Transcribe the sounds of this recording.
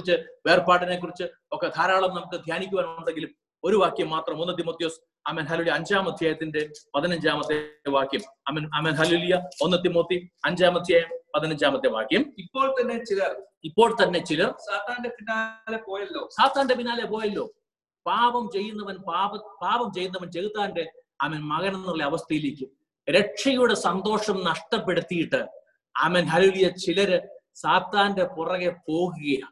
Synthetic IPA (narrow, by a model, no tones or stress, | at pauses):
kuit͡ɕːɨʋe̞ːrpaːʈːinek̬ːurit͡ɕːɨ | okːe̞k̪ʰaːɾaːɭɐmnɐmukːɨd̪ʱjaːnikʲːuʋɐnɐmɳɖeŋɡilum | o̞ɾuʋaːkjɐmːaːt̪rɐmonːɨt̪̬imoːt̪ːjoːs | ɐmeːnɦɐlːlijɐɲd͡ʑaːmɐd̪ʱjaːjɐt̪ːinde̞pɐðinɐɲd͡ʑaːmɐt̪ːeʋaːkjɐmɐmɐnɐmeːnɦɐleːlujɐonːɨt̪imoːt̪ːiɐɲd͡ʑaːmɐd̪ʰʱjaːjɐmpɐðinɐɲd͡ʑaːmɐt̪ːeʋa̰ːkjɐmipːo̞ːɭt̪ɐnːe̞t͡ɕilɐr | ipːo̞ːɭt̪ɐnːe̞t͡ɕilɐrsaːt̪aːndepinːaːlepoːjɐlːoːsaːt̪ːaːndepinːaːlepoːjɐlːo̞ː | paːbɐmt͡ɕe̞jːunːɐʋɐnpaːbɐpaːbɐmt͡ɕe̞jːunːɐʋɐnt͡ɕe̞ɣut̪ːaːnde | aːmenmɐɣɐnɐnːuɭːeɐʋɐst̪ɐjileːkʲːum | ɾe̞ʂɐjuɽe̞sɐnd̪o̞ːʂɐmnɐʂʈɐpːe̞ɽut̪ːijiʈːɨ | amenɦɐlelijɐt͡ɕilɐɾɨsaːt̪ːaːnde̞purɐɣe̞po̞ːɣuɣɐja̰ː